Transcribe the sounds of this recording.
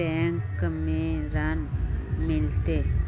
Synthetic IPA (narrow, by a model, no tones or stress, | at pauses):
ɛŋkːəmiɾanmilt̪e